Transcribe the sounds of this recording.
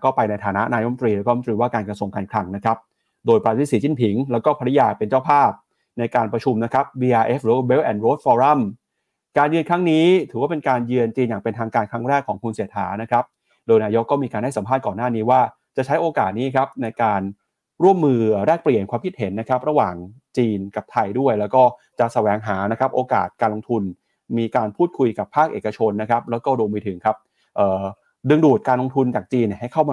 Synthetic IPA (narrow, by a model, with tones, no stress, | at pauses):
kɔː˥˩pa˧jna˧jt̪ʰaː˩˦na˦˥ʔnaː˧jo˦˥m˨t̪ɾiː˧lɛː˦˥kːɔː˥˧˦t̪ɾiː˧waː˥˩kaː˧nkɾa˧su˧ŋkaː˧nkʰɾa˧ŋna˦˥kʰa˦˥p̚ | doː˧jpɾa˧t̪ʰiː˦˥˩siː˩˦t͡ɕi˥˩npʰi˩˦ŋlɛː˦˥wkɔː˥˩pʰa˧ɾjaː˧pe˧nt͡ɕa˥˩wpʰaː˥˩p̚ | na˧jkaː˧npɾa˧t͡ɕʰu˧mna˦˥kʰɾa˦˥p̚wiː˧ʔaː˧ʔeː˦˥fɾɯː˩˦wa˥˧we˦˥wʔɛː˧˩nɾoː˦˥t̪̚fɔː˧ɾa˥˩m | kaː˧njɯ˧nkʰɾa˦˥ŋniː˦˥t̪ʰɯː˨˩˦waː˥˩pe˧nkaː˧njɯ˧ənt͡ɕiː˧njaː˨˩ŋpe˧nt̪ʰaː˧ŋkaː˧nkʰɾa˦˥ŋɾɛː˥˩kʰːɔː˩˦ŋkʰu˧nsiː˨˩˦t̪̚ha̰ː˩˦na˦˥kʰɾa˦˥p̚ | doː˧jnaː˧jo˦˥kːɔː˥˩miː˧ka˧nda˥˩jsa˩˦mʰaː˥˩t̪̚kɔː˨˩nːaː˥˩niː˦˥waː˥˩ | t͡ɕa˨˩t͡ɕʰa˦˥jʔoː˧kaː˨˩t̪̚niː˦˥kʰa˦˥p̚na˧jkaː˧n | ɾu˥˩əmːɯː˧˨˩ɾɛː˥˩k̚pli˨˩ənkʰwaː˧mkʰi˦˥t̪̚he˩˦nːa˦˥kʰa˦˥p̚ɾa˧waː˨˩ŋ | t͡ɕiː˧nka˨˩p̚t̪ʰa˧jdu˥˩əjlɛː˦˥wkɔː˥˩ | t͡ɕa˨˩sa˧wɛː˩˦ŋɦaː˩˦na˦˥kʰɾa˦˥p̚ʔoː˧ka̰ː˨˩t̪̚kaː˧nlo˧ŋt̪ʰu˧n | miː˧kaː˧npʰuː˥˩t̪̚kʰu˧jka˨˩pʰːaː˥˩k̚ʔeː˨˩ka˧t͡ɕʰo˧nːa˦˥kʰa˦˥p̚lɛː˦˥wkɔː˥˩ɾu˧mɯː˧t̪ʰɯ˩˦ŋkʰa˦˥p̚ | ʔɤː˨˩ | dɯ˧ŋduː˨˩t̪̚kaː˧nlo˧ŋt̪ʰu˧nt͡ɕaː˨˩k̚t͡ɕiː˧nːi˥˩ha˥˩jkʰa˥˩wma˧